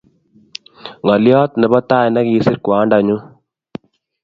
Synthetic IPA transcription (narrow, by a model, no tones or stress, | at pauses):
ŋɐlijaːt̪nebɐt̪ːaːenɐkiːsiɾkuaːɳɖaːɲːu